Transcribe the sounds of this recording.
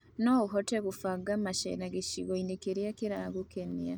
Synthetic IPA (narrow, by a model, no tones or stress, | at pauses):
noɣuɦɔteɣufaɡamaʃḛnaɡeʃiɣoinekeɾiakiɾaɡukenia